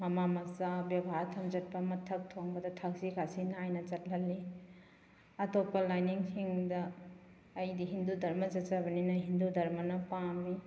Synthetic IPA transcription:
mɐmamɐsabjebʱatʰːɐmd͡ʒɐt̚pɐmɐtʰːɐk̚tʰoŋbɐdɐtʰak̚sikʰasinajnɐt͡ʃɐt̚lɐlːi | ɐtop̚pːɐlajniŋsiŋdɐː | jdiɦindudʱɐɾmɐzɐt̚t͡ʃabɐninɐɦindudɐɾmɐnɐpamni

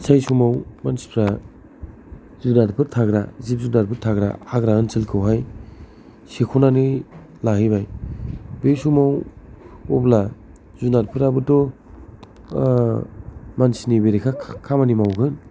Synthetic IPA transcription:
sʰajsumawmansi̥pʰɾa | zunaɾpʰɯɾtʰaɡɾa̰zip̚zunaɾpʰɯɾtʰaɡɾa̰aɡɾaɯnsɯlkʰɯwɦaj | sekʰunani | laɦijbaj | besumaw | ɔbla | zunaɾpʰɯɾabɯtɔ | mansinibeɾekʰakʰamanimawɡɯn

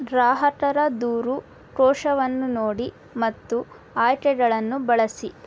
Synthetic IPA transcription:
ɾaːɦɐʈɐɾɐd̪uːɾu | ʈɔːʂɐʋɐnːunoːɽi | mɐt̪ːu | aːjʈɛɡɐɭɐnːubɐɭɐsi

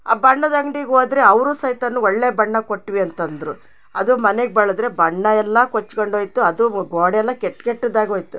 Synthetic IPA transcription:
a̰ːbɐɳːɐd̪ɐŋɖiɡɦoːd̪ɾe̞ɐʋɾuːsɐjt̪ɐnːuɔɭːeːbɐɳːɐkoʈːʋiɐnt̪ɐnd̪ɾu | ɐd̪umɐneɡ̚bɐɭɐd̪ɾe̞bɐɳːɐɛlːɐkot͡ʃːkoɳɖɦoːjt̪uɐd̪uɡoːɽɛlːɐkeʈːkeʈːid̪aːɡɦoːjt̪u

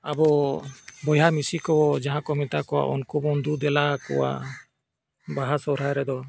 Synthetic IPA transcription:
abɔ | bɔjamisikɔwɔd͡ʒaɦãkɔmit̪akɔwa̰ʔɔ̰nkubɔnd̪ud̪ɛlakɔ̰wa̰ | baɦasɔɾajɾɛd̪ɔ

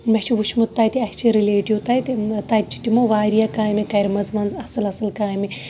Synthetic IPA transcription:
mɐt͡ʃʰiʋuʃʰmut̪ːaːjt̪iɐhʲt͡ʃʰiɾileːʈiut̪ajt̪it̪ɐt͡ʃːi̥t̪imoʋaːɾijakaːjmikɐɾʲmɐzmɐnzɐsɐlɐsɐlkaːjmi

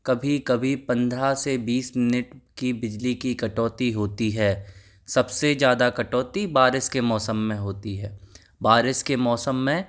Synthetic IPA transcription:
kɐbʱikɐbʱipɐ̃nd̪ɾasebiːsmɪnɪʈkibɪd͡ʒlikikɐʈɔːt̪iɦoːt̪iɦɛː | sɐbsed͡ʒjaːd̪akɐʈɔːt̪ibaːɾɪskemɔːsəmːẽɦoːt̪iɦɛː | baːɾɪskemɔːsəmːẽ

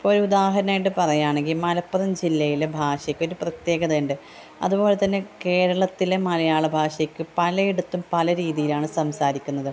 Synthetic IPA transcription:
ipːoːɾud̪aːɦɐɾɐnaːjiʈːɨpɐrɐjaːɳe̞ŋɡilmɐlɐpːɐðɐmd͡ʑilːɐjilebʱaːʂjɐkʲːo̞ɾuprɐt̪je̞ːɣɐðeɳɖɨ | ɐ̰ðubo̞ːlet̪ɐnːe̞ke̞ːɾɐɭɐt̪ːilemɐlɐjaːɭɨbʱaːʂɐjekʲːɨpɐlɐeɽut̪ːumpɐlɐɾiːðijilaːɳɨsɐmsaːɾikʲːunːɐðɨ

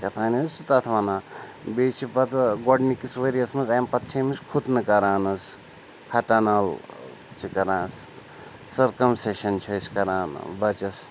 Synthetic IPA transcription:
kɐt̪ʰaːnsut̪ɐt̪ʰʋanaːbeːt͡ʃʰipɐt̪ɡoɖnikisʋeɾijɐsmɐnzajmpɐt̪t͡ʃʰemiskʰut̪nɨkɐɾaːnɐs | kʰɐʈanɐl | t͡ʃʰikɐɾãːs | sɐɾkɐmseʃɐnt͡ʃʰɐiskɐɾaːn̰bɐt͡ʃɐs

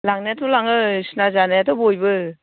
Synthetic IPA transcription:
laŋneatʰɔlaŋɯsnazanajatɔbojbɯ

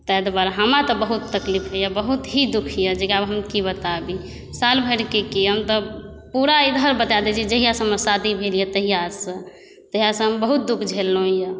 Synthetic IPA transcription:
t̪ɛɛd̪baɾɦəmat̪ɔbəɦut̪ːəklipʰɦɛjabəɦut̪ɦid̪ukʰijəd͡ʒekiabɦəmkibət̪abi | salbʱəɽkekiɦəmt̪ɔpuɾaid̪ʱəɾbət̪ad̪et͡ʃʰiid͡ʒəɦijasəməsad̪ʱibʱelijət̪əɦijasə̃ | t̪əɦijasə̃ɦəmbəɦut̪̚d̪ukʰd͡ʒʱelːõijə

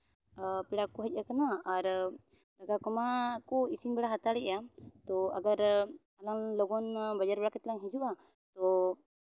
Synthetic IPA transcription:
piɽakɔɦəc̚ˀakanaaɾ | daɡakɔmakɔisiɲbɛɽaɦat̪aɽɛʔjat̪ɔaɡaɾ | alaŋlɔɡɔnbad͡ʒaɾbɛɽakɛt̪laŋɦid͡ʒuʔa | t̪ɔ

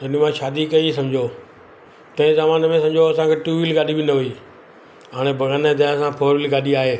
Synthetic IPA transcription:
ɐnumãʃaːd̪ikɐisɐ̃md͡ʑʱoː | t̪ɐ̃ẽzaːmaːnmẽsɐ̃md͡ʑʱoɐsãkʰeːʈuːʋilɡaːɗibɪnəɦuiː | ɦaːɽ̃ebʱɐɡəned̪ɐãsãpʰoːɾɪlɡaːɗiaːɦeː

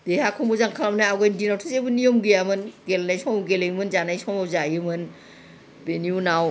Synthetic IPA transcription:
d̥ehakʰɔmbuzaŋkʰalamnaaɡɔjndinawtʰɯzebɯnijɔmɡɯjamɯnɡelnajsɔŋawɡelejɯmɯnzanajsɔmawzajɯmɯn | beniunaw

